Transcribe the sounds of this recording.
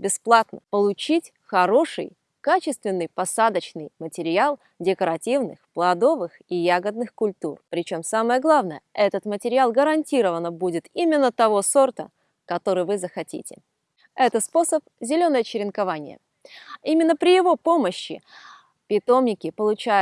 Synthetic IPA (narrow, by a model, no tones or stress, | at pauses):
bʲɪsplˠat̪nəpəlˠʊt͡ɕitʲ | xɐɾo̞ʂɨ̰j | kat͡ɕɪst̪vʲɪnːɨjpɐsad̪ət͡ɕnɨjmətʲɪɾʲɪalˠ | dʲɪkəɾɐtʲivnɨ̰xplˠɐd̪o̞vɨxijaɡəd̪̚nɨxkʊlʲt̪urpɾʲɪt͡ɕo̞msaməjəɡlˠavnəjəʔɛt̪ət̪mətʲɪɾʲɪalˠɡəɾɐnʲtʲiɾəvənəbudʲɪt̪imʲɪnːət̪ɐvo̞so̞rt̪ə̰ | kɐt̪o̞ɾɨjvɨzəxɐtʲḭtʲɪ̰ | ɛt̪əspo̞səp̚zʲɪlʲo̞nəjət͡ɕɪɾʲɪnkɐvanʲɪ̰jə̰ | imʲɪnːəpɾʲɪjɪvo̞po̞məɕːɪ̰ | pʲɪt̪o̞mnʲɪkʲɪpəlˠʊt͡ɕæ